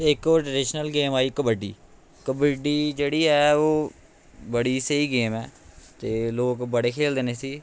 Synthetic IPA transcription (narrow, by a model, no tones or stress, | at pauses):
eɪkoːɾʈɾəːɖɪʃnəlɡeːmaːiːkəbəɖḭː | kəbəɖiːd͡ʒeːɽiːɦɛːoː | bəɽiːsəiːɡeːmɛːt̪eːloːkbəɽeːkʰeːld̪eːneːsiː